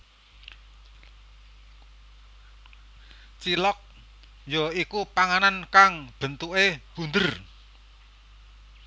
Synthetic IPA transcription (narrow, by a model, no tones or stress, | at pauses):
t͡ʃilɔk̚ | jɔikupaŋanankaŋb̥ə̤nt̪uʔeb̥und̪ər